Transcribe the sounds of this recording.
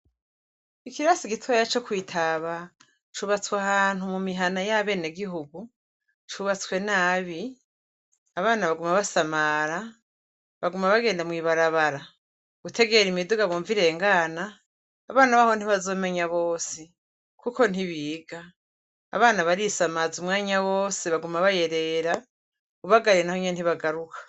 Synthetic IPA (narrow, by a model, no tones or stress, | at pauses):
ikiɾasiɡitʰuβajat͡ʃo̞kwiːtʰaβa | t͡ʃuβat͡swahaːn̥humumiɦanajaβe̞ːneɡiɦuɡu | t͡ʃuβat͡swe̞naːβi | aβaːnaβaɡumaβasamaɾa | βaɡumaβaɡe̞ːndamŋiːβaɾaβaɾa | ɡ̥utʰe̞ɡe̞ɾimiduɡaβoːɱviɾe̞ːŋɡaːnaː | βaːnaβaho̞n̥iβazo̞ːme̞ɲaβo̞ːsi | kʰuko̞n̥iβiːɡa̰ː | βaːnaβaɾisamazumŋaːɲawo̞ːsiβaɡumaβaje̞ɾe̞ɾa | uβaɡaɾenaho̞ɲieniβaɡaɾukʰḁ